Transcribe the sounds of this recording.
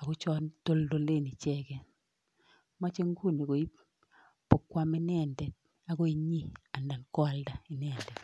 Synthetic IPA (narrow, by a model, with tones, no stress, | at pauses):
a˨ɡo˦t͡ʃɔ˦nto˦ldo˦˨le˦˨ni˨t͡ʃɛ˦ɡɛ˨ | ma˦t͡ʃe˦ŋɡu˦˨ni˨ko˨i˦ | po˨kːwa˦mɛ˦nɛ˦˨ndɛ˨ | a˨˦ɡo˦i˦ɲi˦˨a˨nda˨nkwa˦lda˨i˨nɛ˦˨ndɛ˨